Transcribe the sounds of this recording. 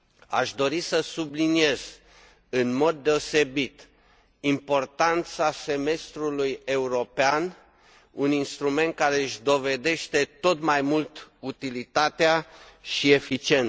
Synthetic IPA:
a̰ʃd̪o̞ɾisəsublinie̞z̥ | ɨnmo̞d̪̚ːe̞o̞se̞bit̪ | impo̞rt̪ant̪sase̞me̞st̪ɾuluje̞uɾo̞pean | uninst̪ɾume̞nt̪̚kaɾe̞ɨʃʲd̪o̞ve̞d̪e̞ʃt̪e̞t̪o̞t̪majmult̪ut̪ilit̪at̪eaʃie̞fit͡ʃie̞n

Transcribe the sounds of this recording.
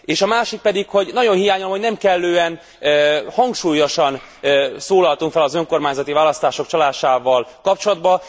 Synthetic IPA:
eːʃɒmaːʃik̚pɛd̪ikho̞ɟnɒɟo̞nɦijaːɲulomho̞ɟnɛmkɛlːøːɛnː | hɒŋkʃuːjo̞ʃɒn | soːlɒlt̪uŋkfɛlɒzøŋko̞rmaːɲzɒt̪ivaːlɒst̪aːʃo̞kt͡ʃɒlaːʃaːvɒlkɒp̚t͡ʃolɒd̪bɒ

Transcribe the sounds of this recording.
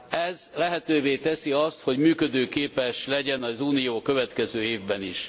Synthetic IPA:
ɛzlɛɦɛt̪øːveːt̪ɛsiɒst̪ho̞ɟmyːkød̪øːkeːpɛʃlɛɟɛnɒzuːnijoːkø̞vɛt̪kɛzøːeːvbɛnḭʃ

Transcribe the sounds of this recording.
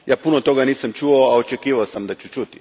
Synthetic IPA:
jaːpunot̪o̞ɡaniːsamt͡ʃuoaot͡ʃekiːʋaosamd̪at͡ɕut͡ʃut̪i̥

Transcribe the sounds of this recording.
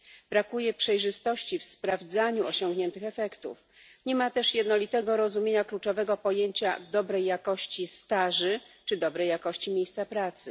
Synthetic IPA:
bɾakujɛpʂɛjʐɘst̪ɔɕt͡ɕifspɾavd̪zaɲuɔɕɔŋɡɲɛnt̪ɘxɛfɛkt̪ṵf | ɲɛmat̪ɛʂjɛd̪nɔlʲit̪ɛɡɔɾɔzumʲjeɲaklut͡ʂɔvɛɡɔpɔjeɲt͡ɕa̰vd̪ɔbɾɛjːakɔɕt͡ɕist̪aʐɘt͡ʂɘd̪ɔbɾɛjːakɔɕt͡ɕimʲejst̪sapɾat̪sɘ

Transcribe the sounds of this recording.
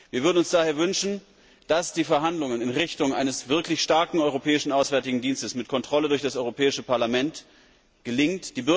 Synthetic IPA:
viːɐvʏɐdn̩ʊnsd̥aːheːɐvʏnʃn̩ | d̥asd̥iːfɛɐɦandlʊŋənɪnʁɪçtʊŋʔa̰ɪnəsv̥ɪɐklɪçʃtaɐkŋ̩ɔʏʁopʰɛːɪʃn̩aʊsv̥ɛɐtɪɡŋ̩diːnstəsmɪtkʰɔntʁ̥ɔlədʊɐçd̥asʔɔʏʁopʰɛːɪʃəpaɐlamɛnt | ɡ̥əlɪŋtd̥iːbʏ

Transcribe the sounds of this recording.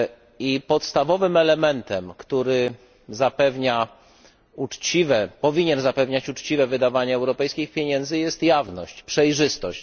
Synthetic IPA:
ipɔt̪st̪avɔvɘmɛlɛmɛnt̪ɛmkt̪uɾɘ | zapɛvɲa | ut͡ʂt͡ɕivɛpɔvʲiɲɛnzapɛvɲat͡ɕut͡ʂt͡ɕivɛvɘd̪avaɲɛːwɾɔpɛjskʲixpʲjeɲɛnd̪zɘjɛst̪javnɔɕt͡ɕpʂɛjʐɘst̪ɔɕt͡ɕ

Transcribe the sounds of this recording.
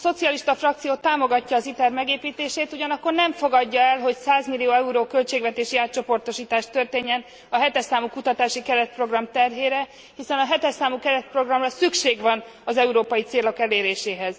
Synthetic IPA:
so̞t̪siɒliʃt̪ɒfrɒk̚t̪sijoːt̪aːmo̞ɡɒcːɒːzit̪ɛrmɛɡeːpiːt̪eːʃeːt̪uɟɒnɒkːo̞rnɛɱfo̞ɡɒɟːɒɛlɦo̞csaːzmilːijoːɛuɾoːkø̞lt͡ʃeːɡvɛt̪eːʃiaːt̪t͡ʃo̞po̞rt̪o̞ʃiːt̪aːʃt̪ø̞rt̪eːɲːɛn | ɒɦɛt̪ɛrsaːmukut̪ɒt̪aːʃikɛɾɛt̪̚pro̞ɡrɒmt̪ɛrɦeːɾɛ | hisɛnɒɦɛt̪ɛrsaːmukɛɾɛt̪̚pro̞ɡrɒmrɒsykʃeːɡʋɒn | ɒzɛuɾoːpɒjit̪seːlokɛleːɾeːʃeːɦɛz̥

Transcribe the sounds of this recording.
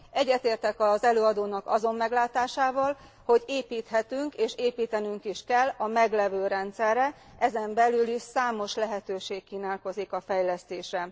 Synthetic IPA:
ɛɟːɛt̪eːrt̪ɛkɒzɛløːɒd̪oːnɒkɒzo̞mːɛɡlaːt̪aːʃaːvɒl | ho̞ɟeːpiːt̪hɛt̪yŋkeːʃeːpiːt̪ɛnyŋkiʃkɛlːɒmɛɡlɛvøːɾɛnt̪sɛrːɛ | ʔɛzɛmbɛlyliʃsaːmo̞ʃlɛɦɛt̪øːʃeːkːiːnaːlko̞zikɒfɛjlɛst̪eːʃrɛ

